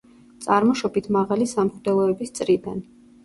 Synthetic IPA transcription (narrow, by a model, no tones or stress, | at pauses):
t̪sʼaɾmɔʃɔbit̪ʰmaʁalisamχd̪ɛlˠɔɛbist̪sʼɾid̪an